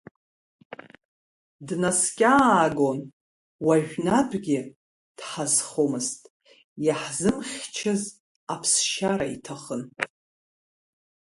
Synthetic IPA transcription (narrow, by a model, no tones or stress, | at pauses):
dnaskʲʼaːɡon | waʒʷᶣnapʰʼɡʲɪ | d̥ħazχomɨstʼ | jaħzɨmχʲt͡ʃʰɨz | apʰsʃaɾaitʰaχən